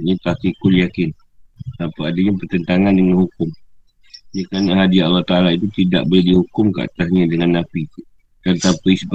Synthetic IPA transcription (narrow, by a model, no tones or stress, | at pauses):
ɲat̪akikʊljakɪn | t̪ampaadaɲapərt̪ənt̪aŋandəŋanhukʊm | jakanaɦadiaʔalːaht̪aʔalait̪ut̪ida̰ʔbəadihukʊmka̰ʔa̰t̪asɲadəŋanːapi | d̪̥ant̪ampaisəb